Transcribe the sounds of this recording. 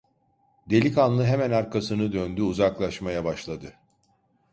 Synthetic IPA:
d̪e̞lʲikanlˠɯɦemænaɾkʰasɯnɯd̪ønd̪yuzaklˠaʃmajabaʃlˠad̪ɯ

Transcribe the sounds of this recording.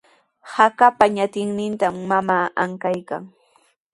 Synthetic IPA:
hakapaɲat̪ɪŋnɪnt̪amːamaːaŋkajka̰ŋ

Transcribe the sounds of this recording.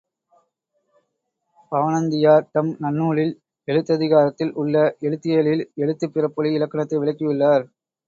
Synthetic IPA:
pɐʋɐnɐnd̪ɪjaːɾʈ̪ɐmnɐnːuːɭɪl | ɛɭɯt̪ːɐðɪɣaːɾɐt̪ːɪlʔʊɭːɐʔɛɻɯt̪ːɪjeɭɪlɛɭɯt̪ːɯpːɪrɐpːɔɭiɪlɐkːɐɳɐt̪ːɐɪʋɪɭɐɪkːɯʋɪɭːaːɾ

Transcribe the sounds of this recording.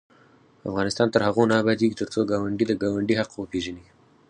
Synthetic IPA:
a̰fɣɑnɪst̪ɑnt̪əɾhaɣonɑːbad̪eɡit̪əɾt͡soɡɑwaɳɖid̪əɡɑwaɳɖihaqwəpeʒəni

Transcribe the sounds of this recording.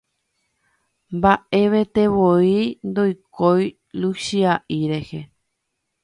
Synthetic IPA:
mbaʔe̞ʋe̞t̪e̞βoind̪o̞jko̞j | luʃiaʔiɾe̞he̞

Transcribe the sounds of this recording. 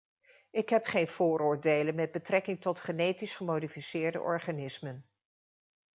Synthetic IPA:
ɪkɦɛpχejnv̥ʊːɾʊːɹdejlənmɛd̚bətrɛkɪŋtɔtχənejtisχəmowdifisɪːɹdə̰ʔɔ̰ɹχanɪsmən

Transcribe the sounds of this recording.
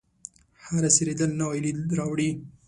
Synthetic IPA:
haɾasiɾed̪əlnawajlid̪ɾɑwɽi

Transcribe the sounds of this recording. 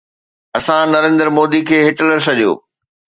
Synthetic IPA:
ɐsãnɐɾẽːnd̪əɾmoːd̪ikʰeːɦɪʈələɾsɐʄijo̰ː

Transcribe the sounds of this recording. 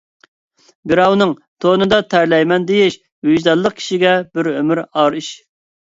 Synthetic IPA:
bɪɾɑwnɨŋt̪ʰoːnɨd̪ɑt̪ʰæɾlɛjmɛnd̪ejɪʃ | hyd͡ʒd̪ɛlˠːəq̚kʲʰi̥ʃiɡʲɛbɪɾømɪɾɑɾiʃ

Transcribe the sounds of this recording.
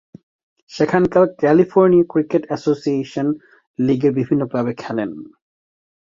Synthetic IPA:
ʃekʰankaɾkɛlifoɾniakɾikeʈɛsosieʃon | liɡeɾbibʱinːopɾabekʰːɛlen

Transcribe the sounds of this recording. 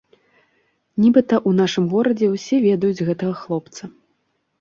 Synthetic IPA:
nʲibɨt̪ɐʔun̪aʂɨmɣɔɾɐd͡zʲɛwsʲɛvʲɛd̪ɐjud͡zʲɣɛt̪ɐɣɐxlˠɔpt̪sɐ

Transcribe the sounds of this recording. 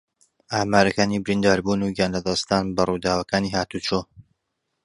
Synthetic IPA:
aːmaːɾɐkaːniːbɪɾind̪aːɾbuːnuːɡaːnlɐd̪ɐst̪aːnbɐrud̪aːwɐkaːniːhaːt̪ut͡ʃoː

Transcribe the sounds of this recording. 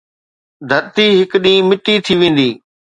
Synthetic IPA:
d̪ʱɐɾt̪iɦɪkɗĩːmɪʈit̪ʰiʋẽːn̆d̪iː

